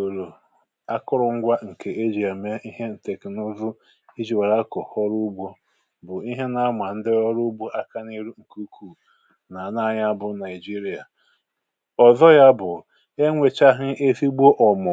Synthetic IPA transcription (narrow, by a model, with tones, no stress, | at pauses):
o˨ɾo˨ | a˦kʊ˦ɾʊ˨ŋ̩˦ɡʷa˦ŋ̩˨ke˨e˦d͡ʒi˨a˨me˦i˦ɦe˦n̩˨te˨kɪ˨nʊ˦zʊ˦ | i˦d͡ʒi˨wa˨ɾa˦kʊ˨hɔ˦ɾu˦ɡ͡bʷo˦ | bʊ˨i˦ɦe˦na˦mʷa˨n̩˦dɪ˦ɔ˦ɾʊ˦bo˦ʔa˦ka˦n˦i˦ɾu˦ŋ̩˨ku˦kʰu˨ | na˨na˦ɲa˦a˦bʊ˦na˨ɪ˨d͡ʒi˦ɾi˨a˨ | ɔ˨zɔ˦ja˦bʊ˨ | e˦ŋʷe˨t͡ʃa˦ɦɪ˦ʔe˦fi˦ɡ͡bo˦ʔɔ˨mʊ˨